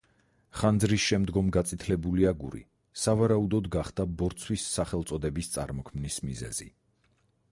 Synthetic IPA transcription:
χand̪zɾisʃɛmd̪ɡɔmɡat̪sʼit̪ʰlɛbuliaɡuɾḭ | savaɾaud̪ɔd̪ɡaχd̪̥abɔɾt̪sʰwisːaχɛlˠt̪sʼɔd̪ɛbist̪sʼa̰ɾmɔkʰmnismizɛ̰zḭ

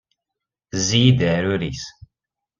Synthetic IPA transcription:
ziid̪əɾuɾis

